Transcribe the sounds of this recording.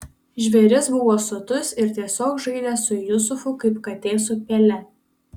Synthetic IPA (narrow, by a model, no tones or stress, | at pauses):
ʒʲʋʲɛɾʲɪsbʊʋoːsʊt̪ʊsɪɾt̪ʲiɛsʲoːkʒɐɪd̪ʲɛːsʊjʊs̬ʊfʊkɐɪpkɐt̪ʲeːs̬ʊpʲeːlʲɛ